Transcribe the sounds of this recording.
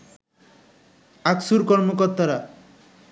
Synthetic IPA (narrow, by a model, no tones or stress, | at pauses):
aksuɾkɔɾmokɔɾt̪aɾa